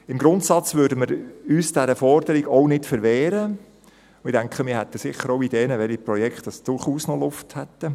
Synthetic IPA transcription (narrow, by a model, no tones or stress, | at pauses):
ɪmɡɾʊntsɑt͡sʋʏːdəməɾyːsd̥æɾəfɔrd̥əɾiɡoʊnɪtfəɾʋɛːɾə | ʊɪdæŋkχəmɪːhɛtːəsɪχːəɾoʊideːnəʋɛliprɔjɛkχtd̥ɑsd̥ʊɾχuːsnolʊfthɛt̪ːə